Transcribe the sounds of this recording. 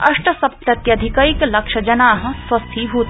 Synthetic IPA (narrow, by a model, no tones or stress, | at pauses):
ɐʂʈɐsɐp̚t̪ɾɐt̪jɐd̪ʱikɐiklɐkʃɐd͡ʒɐnaːɦɐ̃̆swɐst̪ʰiɦuːt̪